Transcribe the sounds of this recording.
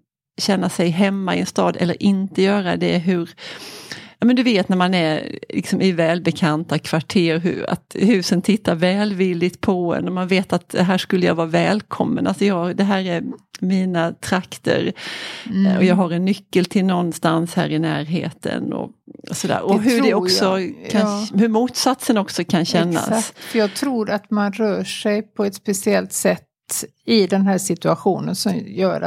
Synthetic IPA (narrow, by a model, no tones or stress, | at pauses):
ɕɛnːasɛjɦɛmːaɪɛnst̪ɑːd̪ɛ̰lːə̰ɾʔɪnt̪əjœːɾad̪ɛɦɵɾ | jɑːmɛnd̪ɵveːt̪næɾmanæɾlʔɪ̰ksɔmʔɪvɛːlbɛkʰant̪akʰv̥aʈʰeːɾɦʉ̰a̰t̪hʉ̟ːsənt̪ʰɪt̪ʰːaɾvɛːlvɪlːɪt̪pʰɔɛ̰nɔmanveːt̪at̪̚d̪ɛɦæːʂkɵlːəjɑ̰ːɡvɑːɾvɛːlkʰɔmːə̰nʔa̰lsɔjɑːd̪ɛɦæːɾæɾmiːnat̪ʰɾakt̪ə̰ɾ | ɔjɑːɡɦaɾɛnːʏkːəlt̪ʰɪlnɔnːst̪anshæ̰ːɾɪnæːɾɦḛːt̪ʰə̰nɔ̰sɔd̪æ̰ːɾɔɦɵdɛɔksɔkʰahɵɾmuːt̪sat̪sənɔksɔkʰanɕɛnːa̰sfjɑːɡ̚t̪ʰɾuːɾat̪manɾœːʂɛjpʰɔɛt̪spɛsɪɛlt̪sɛt̪ː | ɪd̪ɛnɦæːʂɪt̪ɵaɧuːnənsɔmjœ̰ːɾa̰